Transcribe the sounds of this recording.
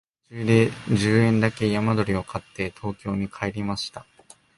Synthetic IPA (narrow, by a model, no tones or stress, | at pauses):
t͡ɕɨːd̪e̞d͡ʑɨːẽ̞nd̪ake̞jamad̪o̞ɾʲio̞kʰat̪ːe̞t̪ʰo̞ːkʲo̞ːɲ̟ikʰae̞ɾʲimaɕi̥t̪a